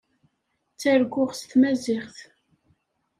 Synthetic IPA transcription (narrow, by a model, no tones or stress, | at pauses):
t͡sːæɾɡʷʊʁst̪mæzɪχθ